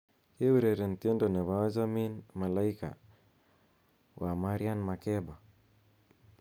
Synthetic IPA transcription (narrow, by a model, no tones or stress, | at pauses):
kɛwuɾɛɾɛntɛndɔnɛβazaminmalaika̰ | wʔamaɾianmakɛba